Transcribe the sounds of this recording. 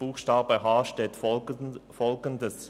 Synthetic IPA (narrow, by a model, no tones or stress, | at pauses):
b̥uːxʃtaːbəɦaːʃteːt | fɔlɡəndəs